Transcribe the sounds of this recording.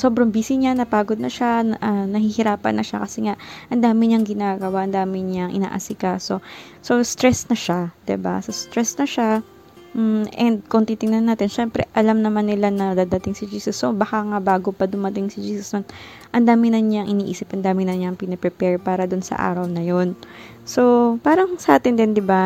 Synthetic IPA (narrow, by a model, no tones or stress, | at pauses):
so̞ːbɾɐŋbiːsɪɲanɐpaːɡod̪̚nɐʃaʔɐnɐhihɪɾaːpɐ̰nːɐʃa̰kɐsɛŋaʔʔɐnd̪aːmɪɲaɐŋɡɪnaːɡɐwaʔɐnd̪aːmɪɲaŋʔɪ̰na̰ːʔɐ̰sɪkaːso̞ | so̞st̪ɾɛsnɐʃad̪̥ɪ̰ba̰sɐst̪ɾɛsnɐʃa | m̩ʔɛnd̪̚koŋt̪iːt̪ɪŋnɐnːaːt̪ɪnʃɛmpɾɛ̰ʔɐlamnɐmanːɪlanɐd̪aːd̪ɐt̪ɪŋsɪd͡ʒiːsɛsːo̞bɐkaŋabaːɡopɐd̪ʊmɐt̪ɪŋsɪd͡ʒiːsɛsd̪on | ʔɐnd̪aːmɪnɐɲaŋʔɪniːʔḭːsɪpʔɐnd̪aːmɪnɐɲaŋpɪnɐpɾɛpɛɹpaːɾɐd̪ʊnsɐ̰ʔa̰ːɾɐwnɐjo̞n | so̞paːɾɐŋsɐʔaːt̪ɪnd̪ɪnd̪ɪba